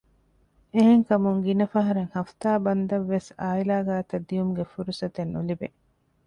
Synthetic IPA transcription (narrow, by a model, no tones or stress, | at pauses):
eɦeŋkɐmuŋɡinɐfɐɦɐɾeŋhɐft̪aːbɐnd̪ɐʋːesaːilaːɡaːt̪ɐd̪ːijumuɡefuɾusɐt̪enːulibe